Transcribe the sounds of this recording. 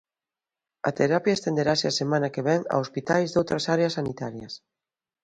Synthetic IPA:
ɐ̰t̪eɾapjaest̪end̪eɾaseasemãnɐkeβɛŋa̰ospit̪ajzðowt̪ɾɐsaɾeasːanit̪aɾjɐs

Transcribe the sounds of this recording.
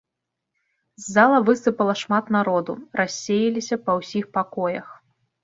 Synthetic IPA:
zʲːalˠɐvɨst̪ɨpɐlˠɐʂmat̪naɾɔd̪urasʲːejɐlʲisʲɐpɐwsʲixpakɔjɐx

